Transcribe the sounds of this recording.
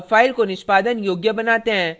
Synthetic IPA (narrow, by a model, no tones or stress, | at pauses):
faːɪlkonɪʃpaːd̪ənjoːɡjəbɐnaːt̪eɦɛ̃ː